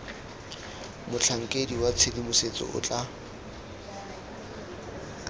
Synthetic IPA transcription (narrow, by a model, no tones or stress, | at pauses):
mʊt͡ɬʰaŋ̩kʼediwat͡sʰelimʊset͡sʼɔ̰ʔʊ̰t͡ɬʼa